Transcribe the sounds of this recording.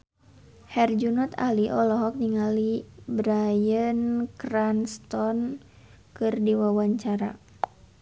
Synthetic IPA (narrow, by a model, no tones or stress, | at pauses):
hɛrd͡ʒunɔt̪a̰liʔɔlɔɦɔk̚niŋalibɾajənkranst̪ɔn | kɨrdiwawaɲt͡ʃaɾa̰